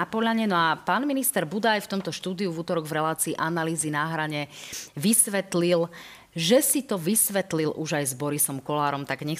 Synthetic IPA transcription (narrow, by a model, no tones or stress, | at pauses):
apɔʎaɲɛnɔapaːnminist̪ɛɾbud̪ajft̪ɔmt̪ɔʃt̪uːd̪iuvuːt̪ɔɾɔɡvɾɛlaːt͡siːʔanaliːzinaːɦɾaɲɛʋisʋɛt̪lil | ʒɛsit̪ɔʋisʋɛt̪lilʔuʒajzbɔɾisɔmkɔlaːɾɔmt̪aɡɲɛ